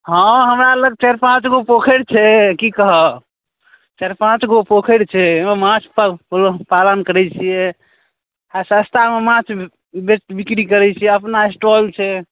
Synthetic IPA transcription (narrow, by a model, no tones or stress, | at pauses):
ɦə̃ɦəmɾaləɡ̚t͡ʃeɾpãt͡ʃɡopokʰeɽt͡ʃʰɛkikəɦə | t͡ʃeɾpãt͡ʃɡopokʰeɽt͡ʃʰɛmemãt͡ʃʰpəlpalənkəɾɛt͡ʃʰijɛ | asə̃st̪ʰamemãt͡ʃʰ | besʈ̪bikɾikəɾɛt͡ʃʰijɛəpnaesʈolt͡ʃʰɛ